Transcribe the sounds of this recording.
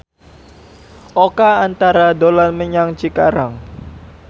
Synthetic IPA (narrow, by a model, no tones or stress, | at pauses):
ʔokaant̪aɾadolanməɲaŋt͡ʃikaɾaŋ